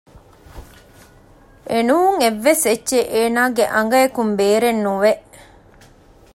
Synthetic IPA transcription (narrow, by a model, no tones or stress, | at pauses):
ʔenuːuŋeʋːesetːʃeʔeːnaːɡeʔɐŋ̆ɡɐekumbeːɾenːuʋeʔ